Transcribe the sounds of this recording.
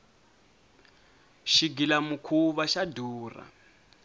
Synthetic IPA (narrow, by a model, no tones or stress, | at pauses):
ʃiɡilamukʰuβaʃaduːra̰